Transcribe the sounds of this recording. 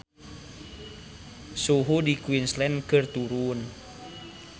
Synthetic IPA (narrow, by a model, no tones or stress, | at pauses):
suɦudikwinslɛnkərt̪uɾun